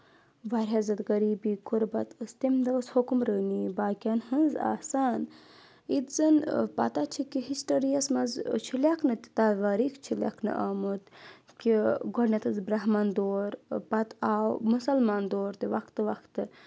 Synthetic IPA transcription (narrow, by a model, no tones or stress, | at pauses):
ʋaɾɦɐzɐt̪ɡɐɾiːbiːkuɾbɐt̪ɨst̪imd̪ɐshukumɾəːniːbaːkʲanhɨnza̰ːsaːn | it̪zɨnpɐ̰t̪at͡ʃʰikiɦisʈɐɾijɐsmɐzt͡ʃʰilʲakʰnɨt̪i̥t̪aʋaːɾikʰt͡ʃʰilʲa̰kʰnɨ̰ʔaːmɨt̪ | kiɡɔɽnɐt̪ʰɨzbɾɐɦmand̪oːɾpɐt̪aːwmusɐlmaːnd̪oːɾt̪iʋɐkʰt̪ʋɐkʰt̪ɨ